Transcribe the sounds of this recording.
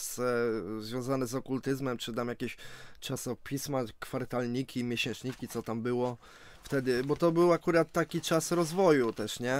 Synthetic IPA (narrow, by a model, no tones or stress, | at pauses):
szvjɔ̃w̃zanɛzɔkult̪ɘzmɛmt͡ʂɘt̪amjakʲeɕt͡ʂasɔpʲismakfaɾt̪alɲikʲimʲjeɕɛ̃nt͡ʂɲikʲit̪sɔt̪ambɘwɔ | ft̪ɛd̪ɘbɔt̪ɔbɘwakuɾat̪ːakʲit͡ʂasɾɔzvɔjut̪ɛʂɲɛ